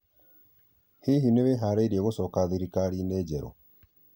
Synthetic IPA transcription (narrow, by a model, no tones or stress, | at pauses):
hiɦineβeɦaɾeiɾieɣosɔkaðiɾikaɾineːd͡ʒɛɾo̰